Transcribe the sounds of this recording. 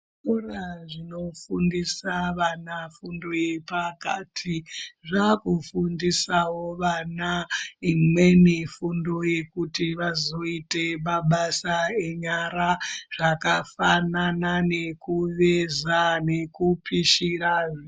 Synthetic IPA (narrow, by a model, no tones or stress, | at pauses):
toraʐino̞fundisaʋanafundo̞je̞paka̰tʰiʐakufundisawo̞ʋanaimwe̞nefundo̞je̞kutiʋazo̞ite̞maɓasae̞ɲaɾaʐ̥akafananane̞kuʋezane̞kupʰiʃiɾaʐ